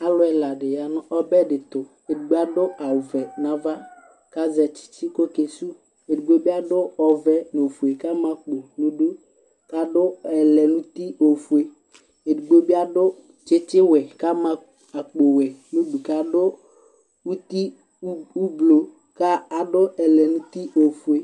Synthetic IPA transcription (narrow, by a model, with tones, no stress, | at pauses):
a˦lʊ˦ɛ˨la˨ɖɪ˨ja˨nʊ̃˦ʔɔ˦bɛ˦ɖɪ˨t̪ʊ˨ | e˨du˨ɡ͡be˦a˦dʊ˦ʔa˨vɛ˨nã˨va˦ | ka˦zɛ˨t͡ʃɪ̥˦t͡ʃɪ˦ko˦ke˨su˦ | e˨du˨ɡ͡bo˦bi˦a˦dʊ˦ɔ˨vɛ˦n˨o˨fu˨e˨ka˦mã˦k͡po˨nũ˦du˦ | ka˦dʊ˦ɛ˨lɛ˨nũ˦t̪i˦o˨fu˨e˨ | e˨du˨ɡ͡bo˦bi˦a˦dʊ˦ | t͡ʃɪ˦t͡ʃɪ˦wɛ˨ka˦mã˨ | a˨k͡po˨wɛ˨nũ˦du˨ka˨˦dʊ˦ | wu˦t̪i˦ | u˦blo˨ | ka˦a˨ɖʊ˦ɛ˨lɛ˨nũ˦t̪i˦ʔo˨fu˨e˨